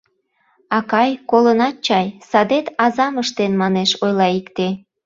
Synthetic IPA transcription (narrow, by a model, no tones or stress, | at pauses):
ɑkɑjkolənɑt̪̚t͡ɕɑjsɑd̪et̪ɑzɑməʃt̪enmɑneʃojlɑikt̪e